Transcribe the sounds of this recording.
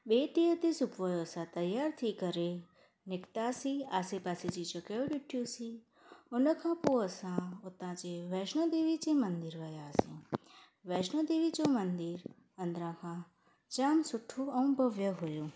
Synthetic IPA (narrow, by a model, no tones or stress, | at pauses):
bet̪ijət̪isupʋəjosãt̪əjːaɾt̪ʰikəɾe | nɪkt̪asiasepasit͡ʃit͡ʃəkeʋɖiʈʰjũsi | ʊnəkʰãpuəsãot̪ãt͡ʃeʋɛʃnod̪eʋit͡ʃemənd̪iɾʋəjasĩ | ʋɛʃnod̪eʋit͡ʃõmənd̪iɾ | ə̃nd̪ɾãkʰã | t͡ʃamsʊʈʰːũənũbʱəʋjəɦojũ